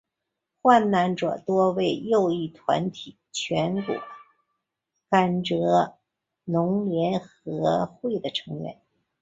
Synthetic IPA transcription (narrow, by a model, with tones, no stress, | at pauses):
xwa˥˩nːa˧˥nʈ͡ʂɤ̰˨˩t̪wɔ˥we˥˩ɪjo˥˧ʊi˥˩t̪ʰwa̰˧˥nt̪ʰi˨˩˦t͡ɕʰɥɛ˧˥nkṵ˨˩˦ | ka˨˩nʈ͡ʂɤ˧˥ | nʊ˧˥ŋljɛ˧˥nxɤ˧˥xwe˥˩ɪd̪ə˩ʈ͡ʂʰɤ˧˥ŋɥɛ̰˧˥n